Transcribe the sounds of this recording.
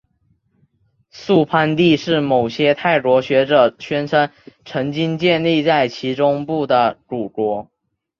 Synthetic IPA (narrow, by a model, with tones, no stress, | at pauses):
su˥˧pʰa˥˧nt̪i˥˧ʂɻ̩˥˩mo˨˩ʊɕjɛ˥t̪ʰa˥˩ɪʈ͡ʂwɔ˧˥ɕɥɛ˧˥ʈ͡ʂɤ˨˩ɕɥɛ˥nʈ͡ʂʰa˥nʈ͡ʂʰɤ˧˥ŋt͡ɕi˥ŋt͡ɕjɛ˥˧nli˥˧t͡sa˥˩ɪt͡ɕʰi˧˥ʈ͡ʂʊ˥ŋpu˥˩d̪ə˩ɻu˨˩ʈ͡ʂwɔ˧˥